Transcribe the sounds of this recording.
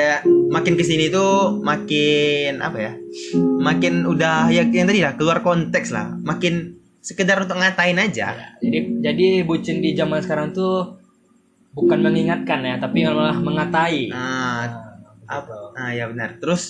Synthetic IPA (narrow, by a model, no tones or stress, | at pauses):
amakɪnkəsinit̪umakɪna̰paja | makɪnudahjajaŋt̪adilahkəluarkɔnt̪ɛksla̰hmakɪn | səkədaɾunt̪ʊk̚ŋat̪aɪnad͡ʒa̰jad͡ʒadid͡ʒadibut͡ʃɪndid͡ʒamansə̥kaɾaŋt̪u | bukanməŋiŋat̪̚kanjat̪apialolahməŋat̪aiə | a̰pəjabənərt̪əɾʊs